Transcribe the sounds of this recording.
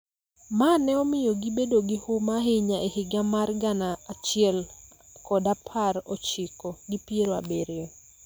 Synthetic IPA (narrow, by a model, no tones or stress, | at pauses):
manɛɔmɪjoɡibedoɡɪhʊmaɦeɲaʔehɪɡamarɡanaːt͡ʃɪɛl | kɔdapʰaɾɔt͡ʃɪkoɡipieɾoa̰beɾjɔ